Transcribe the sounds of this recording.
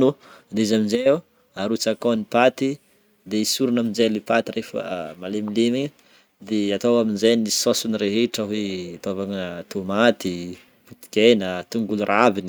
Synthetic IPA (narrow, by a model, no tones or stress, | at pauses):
nud̪izaminzea | aɾut͡sakonipat̪i | d̪eisuɾunaminzelipat̪irefə̰malemilemiɲə | d̪eat̪owaminzejnii̥sosunireɦeʈ͡ʂəɦwet̪ovaŋt̪umat̪i | put̪i̥kʲenət̪uŋɡulurʔavini